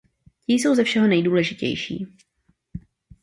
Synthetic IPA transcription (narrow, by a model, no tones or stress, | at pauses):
cɪjs̬o̞wzɛfʃɛɦo̞nɛjduːlɛʒɪcɛ̰jʃḭː